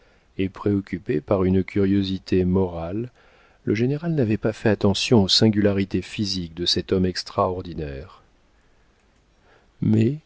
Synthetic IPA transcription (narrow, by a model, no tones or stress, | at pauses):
epχeɔkʲypepaʁynkʲyʁjozit̪ʰemɔʁalː | əʒeneʁalnavɛpafɛat̪ɑ̃sjɔ̃osɛ̃ɡʲylaʁit̪efizik̚d̪əsɛt̪ɔmɛkst̪χaɔʁd̪inɛːʁ | mɛ